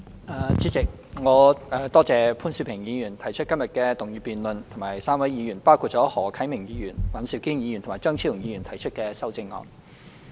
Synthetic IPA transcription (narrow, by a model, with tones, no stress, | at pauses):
ʔaː˨˧t͡si˨˥t͡sɪ˨k̚ | ŋɔː˨˧ʔɐː˨t̪ɔː˥t͡sɛː˨˧pʰuː˥nsi˨˧˩pʰɪ˨˩ŋjiː˨˧jyː˨˩nt̪ʰɐ˨˩jt͡ʃʰɵ˥t̚kɐ˥mjɐ˨t̚kɛː˧t̪ʊ˨ŋjyː˨˧piː˨nlɵ˨nt̪ʰʊ˨˩maː˨˩jsaː˥mwɐ˨˥jiː˨˧jyː˨˩npaː˥wkʰuː˧t̚t͡ʃɔː˨˥hɔː˨˩kʰɐ˨˥jmɪ˨˩ŋjiː˨˧jyː˨˩nwɐ˨nsi˨˧˩wkiː˥njiː˨˧jnt̪ʰʊ˨˩maː˨jt͡ʃœː˥ŋt͡sʰi˥ʊ˨˩ŋjiː˨˧y˨˩nt̪ʰɐ˨˩jt͡ʃʰɵ˥t̚kɛː˧sɐ˥wt͡sɪ˧ŋːɔ̰ː˨˧n